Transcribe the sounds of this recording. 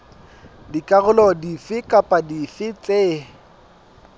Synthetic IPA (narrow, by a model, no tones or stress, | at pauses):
dikʼaɣʊlɔdifɪkʼapʼadifɪt͡sʼeː